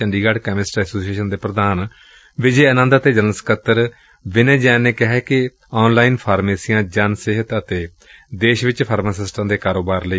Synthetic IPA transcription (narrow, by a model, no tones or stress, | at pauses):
əɳɖiːɡaːɖkɛːmɪsʈɛːsoːsieːʃənd̪eːpɾəd̪aːn | ʋɪd͡ʒeːənə̃nd̪ət̪eːd͡ʒənəskət̪ːəɾ | ʋɪnẽːd͡ʒɛːneːkɪɦɛːkɪ | ɔːnlaːiːnpʰaːɾmeːsijãːd͡ʒənsɪɦət̪ət̪eː | d̪eːʃʋɪt͡ʃpʰəɾmaːsɪsʈãːd̪eːkaːɾoːbaːɾləi